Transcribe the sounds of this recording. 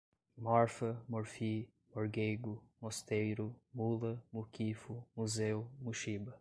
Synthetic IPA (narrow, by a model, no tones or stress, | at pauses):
mɔɾfɐmoɾfi | moɾɡejɡʊmost̪ejɾʊmulɐmukifumuzewmuʃibɐ